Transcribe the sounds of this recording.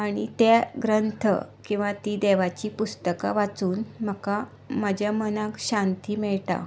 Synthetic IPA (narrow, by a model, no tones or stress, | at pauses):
aɽ̃it̪aɡɾənt̪ʰə̰kĩw̃ʋat̪id̪eʋat͡ɕipust̪əka̰ʋat͡suːnm̤əka | məd͡ʑjamənãkɕãnt̪iːmɛɭʈa̰